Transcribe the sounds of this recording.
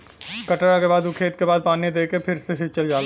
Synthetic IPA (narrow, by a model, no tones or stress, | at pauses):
kɐʈɾakebaːd̪ʊkʰeːt̪kebaːd̪̚paːnied̪eːkepʰɪɾseʃɪt͡ʃəld͡ʒaːl